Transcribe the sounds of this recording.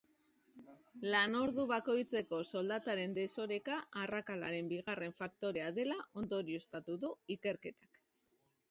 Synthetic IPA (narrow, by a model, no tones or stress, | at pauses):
lano̞ɾðuβako̞jt͡se̞ko̞so̞ld̪at̪aɾe̞nd̪e̞so̞ɾe̞kaʔːrakalaɾe̞mbiɣ̞are̞ɱfakt̪o̞ɾe̞aðe̞laʔo̞nd̪o̞ɾio̞st̪at̪uðuike̞ɾke̞t̪ḁk